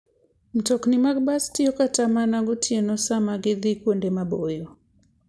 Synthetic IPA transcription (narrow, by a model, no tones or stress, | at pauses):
m̩tɔknɪmaɡ̚bastɪjɔkatamanaɡotʰjenɔsamaɡɪðɪkwondemabojo